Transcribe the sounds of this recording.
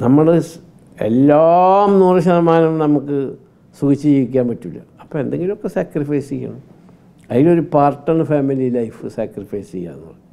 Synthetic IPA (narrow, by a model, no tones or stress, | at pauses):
nɐmːɐɭɨ | e̞̰lːamnuːrɐɕɐnɐmaːnɐmnɐmukːɨ | suɣit͡ɕːɨt͡ɕejik̬ʲːaːmpɐtːulːɐ̰ɐpːoːe̞nd̪e̞ŋɡilumo̞kːe̞saːkrifɐjsejːa̰ɳɐm | ɐðilo̞ɾupaːrʈːɐɳɨfaːmililɐjfɨsaːkrifɐjst͡ɕejːa̰ːnːɐ̰ðɨ